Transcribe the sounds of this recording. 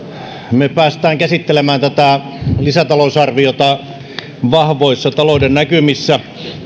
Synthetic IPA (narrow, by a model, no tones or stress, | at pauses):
mepæːst̪æːŋkæsit̪ːelemæːnt̪æt̪ælisæt̪ɑlosɑrʋiot̪ɑ | ʋɑhʋoisːɑt̪ɑlŏdennækymisːæ